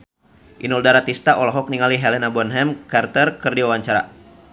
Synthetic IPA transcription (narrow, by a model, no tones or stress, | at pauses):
ʔinɔldaɾat̪ist̪aʔɔlɔɦɔk̚niŋaliɦɛlɛnabɔnɦɛmkart̪ərkərdiwawaɲt͡ʃaɾa̰